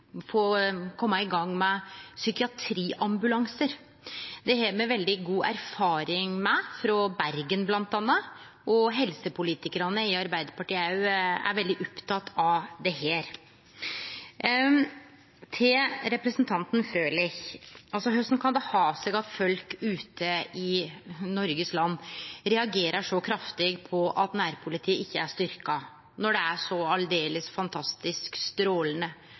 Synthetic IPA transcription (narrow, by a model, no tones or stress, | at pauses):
fɔkʰɔmːɑɪɡɑŋːmɛsʏkɪɑt̪ʰɾiːʔɑmbʉlɑŋsəɾ | d̪ɛheːmɛʋɛld̪ɪɡuːʔæ̰ɾfɑːɾɪŋmɛfɾɔbæɾɡənblɑnt̪ɑnːɑ | ʔɔɦɛlsəpʰʊliːt̪ɪkəɾɑnəɪɑɾbæɪd̪əɾpɑʈiːæjʊæ̰ɾʋɛld̪ɪʔɔpt̪ʰɑt̪ʰːɑʋd̪ɛheːɾ | t̪ʰɪɾɛpɾəsnt̪ʰɑnt̪nfɾøːlɪçɑlsɔɦœst̪n̩kʰɑnd̪ɛhɑːsɛɡɑt̪fœlkʉːt̪ʰəɪnɔɾɡəslɑnːɾɛɑɡeːɾəʂɔkʰɾɑft̪ɪɡpʰɔʔɑt̪næːɾpʰʊlɪt̪ʰiːəɪçːəæʂt̪ʏɾkɑ | nɔɖɛæʂɔɑld̪eːləsfɑnt̪ʰɑst̪ɪskst̪ɾoːlənə